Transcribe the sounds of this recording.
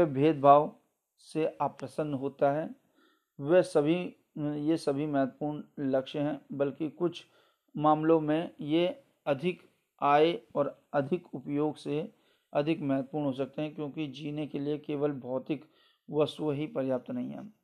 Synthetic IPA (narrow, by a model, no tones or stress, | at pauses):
ɛbʱeːd̪̚bʱaːʋ | seʔaːpɾɐsə̃nɦoːt̪aɦɛː | ʋɛsɐbʱi | jesɐbʱimɛːət̪puːɾɳlɐkʃɦɛ̃bɐlkikʊt͡ʃʰ | maːmlõmẽje | ɐd̪ʱɪk | aːeɔːɾɐd̪ʱɪkʊpjoːɡse | ɐd̪ʱɪkmɛːət̪̚puːɾɳ̃ɦoːs̬ɐk̚t̪eɦɛ̃kjõːkid͡ʒiːnekeliekeːʋəlbʱɔːt̪ɪk | ʋɐst̪uɦipɐɾjaːp̚t̪nɐɦĩɦɛ̰̃ː